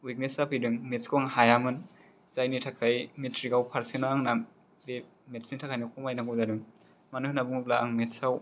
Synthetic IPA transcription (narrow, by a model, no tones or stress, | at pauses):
wik̚nesapʰidɯŋmetskɔŋhajamɯn | zajnitʰakʰajmetɾiɡawpʰaɾsenaaŋna | be | metsinitʰakʰajnikʰɔmajnaɡɔwzadɯŋ | manuhnabuŋuplaaŋmetsaw